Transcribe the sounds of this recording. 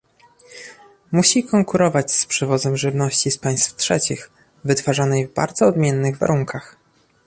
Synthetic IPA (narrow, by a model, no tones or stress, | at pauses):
muɕikɔŋkuɾɔvat͡ɕspʂɛvɔzɛmʐɘvnɔɕt͡ɕispaj̃st̪ftʂɛt͡ɕix | vɘt̪faʐanɛjvba̰ɾd̪zɔːd̪mʲjɛnːɘɣva̰ɾuŋkax